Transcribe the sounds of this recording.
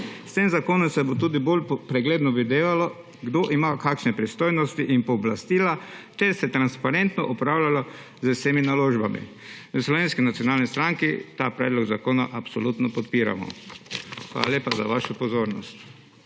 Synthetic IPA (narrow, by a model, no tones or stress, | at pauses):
st̪eːmzakoːnɔmsɛbot̪uːd̪ibolpɾɛɡleːd̪nɔʋid̪eːlalɔ | ɡd̪oʔimakakʃnɛpɾist̪oːjnɔst̪iʔinpɔːblast̪iːlat̪ɛɾsɛt̪ɾanspaɾɛnt̪nɔʔɔpɾawlʲalɔ | zwseːminaloːʒbamḭ | əslɔʋeːnskinat̪sjɔnaːlnist̪ɾaŋkit̪aːpɾɛːd̪lɔɡzakoːnaʔapsɔlut̪nɔpɔt̪piːɾa̰mɔ̰ | xʋa̰ːlalʲjeːpaza̰ʋaʃʊpɔzoːɾnɔst̪